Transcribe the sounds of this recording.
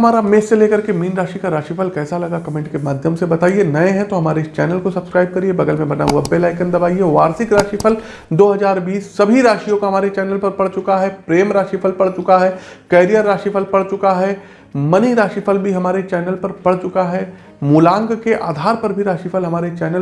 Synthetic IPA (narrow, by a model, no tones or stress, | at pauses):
ɐmaːɾameːsːeleːkɐɾkemiːnɾaːʃikaɾaːʃipʰəlkɛːsalɐɡakɐmẽːɳʈkemaːd̪ʱjəmsebɐt̪aːienɐẽɦɛ̃t̪oɦɐmaːɾeɪst͡ʃɛ̰ːnəlkosɐbskɾaːɪb̚kɐɾiebɐɡəlmẽbɐna̰ɦuabelaːɪkə̃nd̪ɐbaːieʋaːɾsɪkɾaːʃipʰəl | d̪oːɦɐzaːɾbiːsːɐbʱiɾaːʃijõkaɦɐmaːɾet͡ʃɛːnəlpɐɾpɐɽ̤t͡ʃʊkaɦɛpɾeːmɾaːʃipʰəlpɐɽt͡ʃʊkaɦɛːkɛːɾijəɾːaːʃipʰəlpɐɽt͡ʃʊkaɦɛ | mɐniɾaːʃifʰəlbʱiɦɐmaːɾet͡ʃɛːnəlpɐɾpɐɽt͡ʃʊkaɦɛː | mulãːŋɡkeʔa̰ːd̪ʱaːɾpɐɾbʱiɾaːʃipʰəlɦɐmaːɾet͡ʃɛːnə